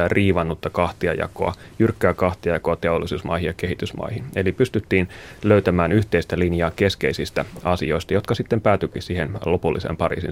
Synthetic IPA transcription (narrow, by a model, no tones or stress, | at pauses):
æriːʋɑnːut̪ːɑkɑht̪iɑ̰jɑ̰ko̞̰ɑ̰ | jyrkːæːkɑht̪iɑjɑkoɑt̪eolːˑisuːsmɑ̰jhijjɑke̞ɦit̪ysmɑ̰ijhinelipyst̪yt̪ːiːnløyt̪æmæːnyht̪e̞ist̪ælinjɑːke̞ske̞isist̪æɑsio̞ist̪ɑjo̞t̪kɑsit̪ːempæːt̪ykisiːhenlo̞pulːʔisḛmpɑɾḭːsḭ